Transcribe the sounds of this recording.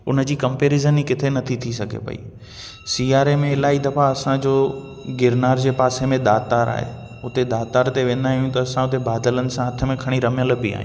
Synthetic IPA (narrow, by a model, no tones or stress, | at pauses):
ʊnə̆d͡ʑiːkɐ̃mpeːɾizənikɪt̪ʰenɐt̪ʰit̪ʰisɐɡʱḛpɐ̰ḭ | siːaːɾemẽɪlaːid̪ɐfaɐsãd͡ʑoː | ɡɪɾnaːɾd͡ʑeːpaːsemẽɗ̪aːt̪aːɾa̰ːɦḛ | ʊt̪eɗ̪aːt̪aːɾt̪eʋẽːnd̪aːɦijũt̪ɐːsãʊt̪ebaːd̪ələnɪ̆sãɦɐt̪ʰə̆mẽkʰɐɽ̃iɾɐmjəl̆bɪa̰ːɦĩ